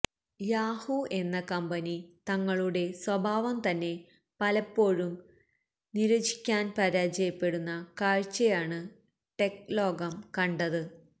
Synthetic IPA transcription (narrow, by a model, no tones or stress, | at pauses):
jaːhue̞nːɐkɐmbɐnit̪ɐŋːɐɭuɽe̞swɐbʱaːʋɐmt̪ɐnːe̞ | pɐlɐpːo̞ːɻum | niɾɐd͡ʑi̥kʲːaːnpɐɾaːd͡ʑɐjɐpːe̞ɽunːɐkaːɻt͡ɕːɐjaːɳɨ | ʈe̞klo̞ːɡɐmkɐɳɖɐðɨ